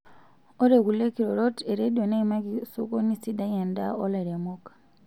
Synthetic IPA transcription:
o˦ɾe˨ku˨le˦kiɾo˨ɾo˦te˨ɾe˦dio˨na˦ima˦kiso˦ko˦ni˦si˦da˦je˨nda̰˦o˦laɾe˨mokḁ

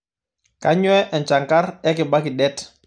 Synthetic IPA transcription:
ka˦ɲwɛ˦ʔɛ˨nt͡ʃa˨ŋka˦ɾɛ˦kɪ˨ba˦kɪ˨dɛ˦t

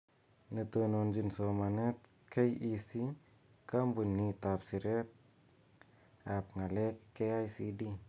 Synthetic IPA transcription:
nə˨to˨no˨nd͡ʒi˨nso˨ma˨ne˦t̪̚ | kʰe˦jisi˦ | ka˦mbu˨nːi˨tapsi˨ɾe˦t̪̚ | a˨p̚ŋa˨le˦kːeajsidi˦

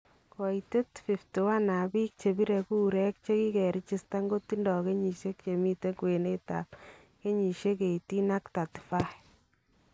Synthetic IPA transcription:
kɔ˨ite˦tfi˨ftu˨wa˦na˨bi˦k̚t͡ʃe˨bi˦ɾɛ˨ku˦ɾɛ˦k̚t͡ʃe˦ki˦kɛ˨ɾi˦t͡ʃi˦sta˦ŋɡo˦ti˦ndɔ˨ke˦ɲi˨ʃe˦k̚t͡ʃe˨mi˦te˦kwe˨ne˦ta̰˨p | ke˦ɲi˨ʃe˦ke˨iti˦na˦kta˨tfa˦

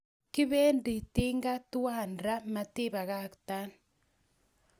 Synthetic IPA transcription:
ki˦βeː˦ndi˨ti˦ŋɡa˦tu˦waː˦nɾa˦ma˨ti˦βa˨ɣa˦kta˦n

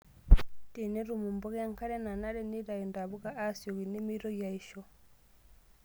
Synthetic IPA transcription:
ti˨ne˦ɾu˨mu˨mbɔ˦ɣja˦ŋka˦ɾɛ˦na˨na˦ɾɛ˦ni˦ɾa˨ji˨nda˨βu˦ɣa˦ʔa˦sjo˨ɣi˨ni˦mi˦ɾɔ˦ja˨iʃɔ˨

